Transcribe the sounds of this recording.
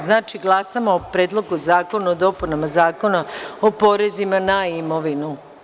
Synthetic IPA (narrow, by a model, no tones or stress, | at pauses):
znaːt͡ʃiɡlˠasamaopɾeːd̪lˠo̞ɡuzaːko̞naod̪o̞punamazaːko̞naopo̞ɾe̞zimanaimo̞ʋinu